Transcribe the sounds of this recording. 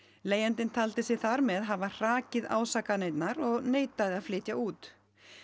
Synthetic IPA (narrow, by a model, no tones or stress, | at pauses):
leːjɛnt̪ɪnt̪ʰalt̪ɪsɛθaɾmɛðɦavar̥aːcɪða̰ːwsaːkaneːjt̪naɾɔɣneːjt̪aðɪaðflɪːt̪jauːt̪